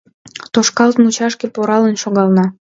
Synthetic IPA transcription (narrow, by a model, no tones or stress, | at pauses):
t̪oʃkɑlt̪mut͡ɕɑʃkepoɾɑlənʃoɣɑlnɑ